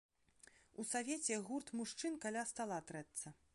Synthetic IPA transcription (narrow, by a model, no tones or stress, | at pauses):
usavʲet͡sʲɛɣurt̪muʂt͡ʂɨnkalʲast̪alˠat̪ɾɛt̪sɐ